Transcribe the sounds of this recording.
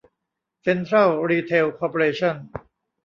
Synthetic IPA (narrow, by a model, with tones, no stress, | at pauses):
se˧nt̪ʰɾa˥˩lɾiː˧t̪ʰe˧wkʰɔː˧pʰo˧ɾeː˧t͡ɕʰɔ˥˩n